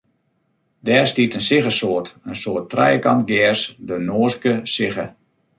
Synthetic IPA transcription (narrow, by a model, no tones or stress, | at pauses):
dɛːrstiətənsɪɣəsoətənsoːtːrɛ̰jəkɑntɡɛəsdənoːskəsɪɣə